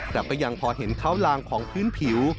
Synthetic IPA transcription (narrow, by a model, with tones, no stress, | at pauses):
kla˨˩p̚ːa˧jːa˧ŋpʰɔː˧ɦe˩˦nkʰaː˦˥˩wlaː˧ŋkʰɔː˩˦ŋpʰɯː˥˩˨npʰi˩˦w